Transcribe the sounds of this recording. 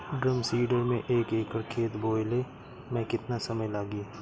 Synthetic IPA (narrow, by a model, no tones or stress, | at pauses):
ɖɾəmsiːɖəɾmẽʔeːkeːkʰəɾkʰeːt̪boːjle | mɛ̃kɪt̪nasɐməjlaːɡi